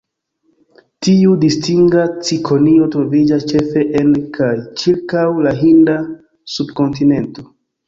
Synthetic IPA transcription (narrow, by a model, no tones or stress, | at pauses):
tiudistiŋɡat͡sikʰo̞nio̞tɾo̞vid͡ʒast͡ʃe̞fe̞ʔenkʰajt͡ʃiɾkawlaɦinda | subko̞nt̬ine̞nto̞